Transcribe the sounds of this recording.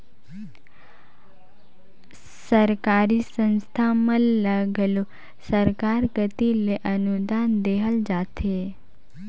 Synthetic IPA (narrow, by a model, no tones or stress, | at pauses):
səɾkaɾisə̃nst̪ʰamə̃ləɡlo | səɾkaɾkət̪ileʔənud̪and̪eɦəld͡ʒat̪ʰe